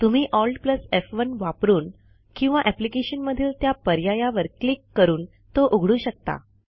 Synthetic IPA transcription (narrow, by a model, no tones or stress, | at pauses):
t̪um̤iːʔɔlɖpləsefʋənʋapɾuːn | kĩw̃ʋaʔɛplikeɕənməd̪ʱiːlt̪japəɾjajaʋəɾklikːəɾuːn | t̪oʔuɡʱɽuːɕək̚t̪a̰